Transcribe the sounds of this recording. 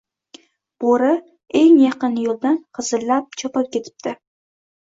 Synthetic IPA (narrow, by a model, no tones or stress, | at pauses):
b̥oɾɪ | eŋjɑqɨnjolˠd̪anqʰɨzɨlːap̚t͡ʃʰopap̚kʲe̞t̪ʰɪ̥p̚t̪ʰɪ